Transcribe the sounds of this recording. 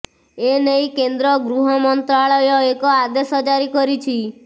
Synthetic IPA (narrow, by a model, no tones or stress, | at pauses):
enejkend̪ɾɔɡɾuɦɔmɔnt̪ɾaɭɔjɔekɔad̪esɔd͡ʒaɾikɔɾit͡ʃʰi